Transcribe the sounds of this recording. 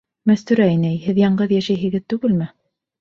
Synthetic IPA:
mæst̪ʉɾæinɘæjhɘðjɑɴɢɤðjæʃæjɦɘ̆ɡɘðt̪ʉɡɘlmɘ

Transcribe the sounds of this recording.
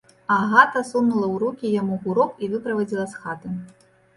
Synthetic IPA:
ɐɣat̪ɐsunnulˠɐwɾukʲijamuɣuɾɔkivɨpɾɐvad͡zʲilˠɐsxat̪ɨ

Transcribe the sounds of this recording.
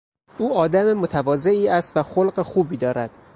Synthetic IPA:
uːɒːd̪æmemo̞t̪ʰævɒːze̞ʔiːæst̪væxolɢexuːbiːd̪ɒːɾæd̪̥

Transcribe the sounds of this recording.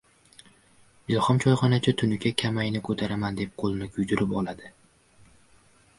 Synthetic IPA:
bɪlˠχɒmt͡ʃʰɒjχɒnat͡ʃʰat̪ʰʊnɪkʲakʲʰamajnɪkʰɵt̪ʰaɾamand̪e̞p̚qʰolˠnɪkʰʊjd̪ʊɾɪpɒlˠad̪ɪ

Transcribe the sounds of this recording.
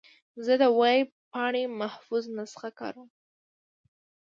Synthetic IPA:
zəd̪əwaj | pɑɳemahfuznasə̥xakɑ̰ɾəm

